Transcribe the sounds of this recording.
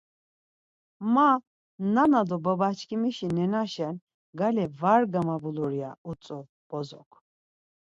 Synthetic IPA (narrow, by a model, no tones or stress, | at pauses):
ma | nanad̪ɔbabat͡ʃʰkʰimiʃinɛnaʃɛn | ɡalɛvaɾɡamabuluɾjaut͡sʼɔ | b̥ɔzɔ̰kʰ